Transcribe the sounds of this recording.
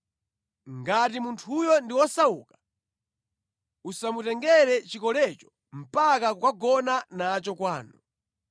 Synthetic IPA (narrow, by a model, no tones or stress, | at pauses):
ŋɡatimuntʰujɔndiwɔsauːkḁ | usamutɛŋɡɛɾɛt͡ʃikɔlɛt͡ʃɔ̥ | m̩pakakukaɡɔnanat͡ʃɔkwaːnu